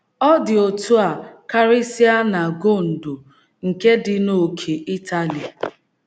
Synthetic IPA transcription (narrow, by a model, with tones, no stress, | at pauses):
ɔ˦dɪ˨o˨tu˦a˨ka˦ɾɪ˦si˦a˦na˨ɡo˦˨n̩˨do˨ | ŋ̩˨ke˦dɪ˨no˨kʰe˨ʔi˦tʰa˦li˨a˨